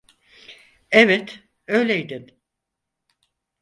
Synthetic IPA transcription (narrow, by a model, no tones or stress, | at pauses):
ɛvɛt̪ | ø̞jlʲejd̪ɪm